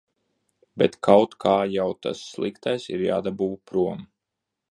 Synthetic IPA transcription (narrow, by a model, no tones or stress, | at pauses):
bɛt̪kʰawt̪kʰaːjawt̪a̰sːlˠikt̪ajsḭɾja̰ːd̪abuːʋpɾuɔm